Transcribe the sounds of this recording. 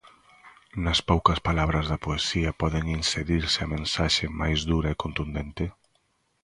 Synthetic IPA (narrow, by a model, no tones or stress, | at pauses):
nɐspowkɐspalaβ̞ɾɐzðɐpoesiɐpɔðeŋinseðiɾsɪɐmẽnsaʃemajzðuɾɐekont̪und̪ent̪e